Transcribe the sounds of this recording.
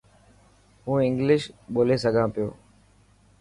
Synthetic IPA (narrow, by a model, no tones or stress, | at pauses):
ɦũːɪ̃ŋɡlɪʃɓoːleːs̬əɡʱãːpɪjo̰ː